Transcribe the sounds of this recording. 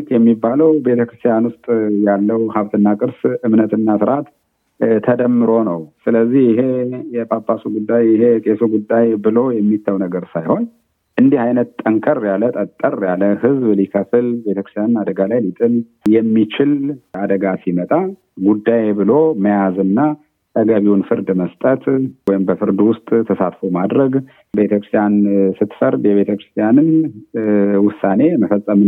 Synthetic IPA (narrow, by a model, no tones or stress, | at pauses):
t̪jɛmːibaləwbe̞t̪ʰəkɾɨst̪ʰijanwʊst̪ʼjalːəwhaβt̪ʰɨnːakʼɨɾsɨmnət̪ʰɨnːasɨɾat̪ | t̪ʰəd̪əmːɨɾo̞nəwsɨləzːihjɪɦe̞jɛpʰʼapʼːasuɡud̪ːajɪhe̞t̪ʼesuɡud̪ːajbɨlo̞jɛmːit̪ʰːəwnəɡəɾsajho̞n | ʔɨnd̪ihajnət̪t̪ʼːəŋkʰəɾjalət̪ʼət̪ʼːərjaləhɨzblikʰəfɨlbeəkɾɨst̪ʰjanɨnad̪əɡalajlit̪ʼɨn | jɛmːit͡ʃɪlad̪əɡasimət̪ʼa | ɡud̪ːajbɨlo̞məjazɨnːa | t̪əɡaβiwʊnfɨɾd̪məst̪ʼət̪wɔjɪmbəfɨɾd̪wʊst̪ʼt̪ʰəsat̪fomad̪ɾəɡ | bet̪ʰəkɾɨst̪ʰjansɨt̪ːfəɾd̪jɛβe̞t̪ʰəkɾɨst̪ʰijanɨn | wʊsːane̞məfəsʼːəm